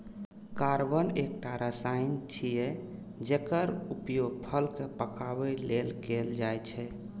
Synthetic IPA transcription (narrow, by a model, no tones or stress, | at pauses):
kaɾbənek̚ʈaɾəsaint͡ʃʰijɛ | d͡ʒekəɾupjoɡ̚pʰəlkepəkabɛlelɡeld͡ʒajt͡ʃʰɛ